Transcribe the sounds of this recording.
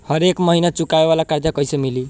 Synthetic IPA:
hʌɾekmʌɦinat͡ʃukaebalakaɾd̪jakʌjsʌmili

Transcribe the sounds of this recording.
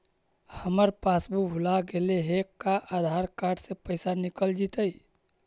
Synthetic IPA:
həməɾpasbubʱulaɡeleɦekaʔad̪ʱaɾkaʈsẽpəɪsanikəld͡ʒit̪əj

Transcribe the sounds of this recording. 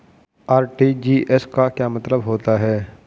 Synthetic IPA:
aːɾʈid͡ʒiːʔɛskakjaːmɐt̪ləbɦoːt̪aɦɛː

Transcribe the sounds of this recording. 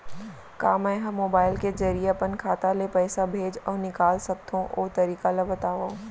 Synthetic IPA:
kaːmɛ̃ɦɐmːoːbaːɪlkezɐɾieɐpənkʰaːt̪alepɛːsabʱeːd͡ʒɔːɾnɪkaːlsɐk̚t̪ʰõʔo̰ːt̪ɐɾiːkalabɐt̪aːʋã

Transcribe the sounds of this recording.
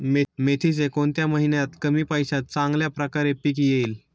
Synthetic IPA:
memet̪ʰis̬ekoɳt̪jaməɦinjat̪kəmiːpajɕat̪̚t͡sãŋɡljapɾəkaɾepik̬ijeiːl

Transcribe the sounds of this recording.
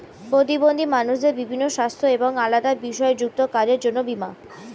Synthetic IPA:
pɾot̪̬ibond̪ʱimanuʃd̪eɾbibʱinːoʃast̪ʰoeboŋalad̪aɾbiʃɔed͡ʑuk̚t̪okaɾeɾd͡ʑonːobima̰

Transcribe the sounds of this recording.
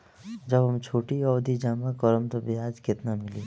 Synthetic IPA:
d͡ʒəbɦəmt͡ʃʰoːʈiɔːd̪ʱid͡ʒaːmakɔɾəmt̪obʱiaːd͡ʒkɪt̪namɪliː

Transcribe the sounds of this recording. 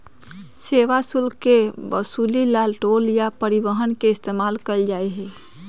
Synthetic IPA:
seːʋasʊlkkːebəsulilaːlʈoːljapəɾiʋəɦənkeɪst̪eːmaːlkəld͡ʒaːeɦɛ

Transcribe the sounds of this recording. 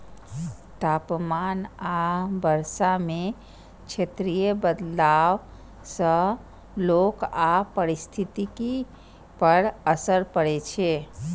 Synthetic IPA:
t̪apmanabəɾsame | t͡ʃʰet̪ɾijəbəd̪law | sə̃ | lokapəɾist̪ʰit̪iki | pəɽəsəɾpəɽɛt͡ʃʰe

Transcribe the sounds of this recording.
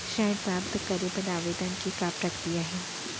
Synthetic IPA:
ʃajd̪papt̪kəɾebəd̪aʋed̪ankikapɾəkt̪iaɦe

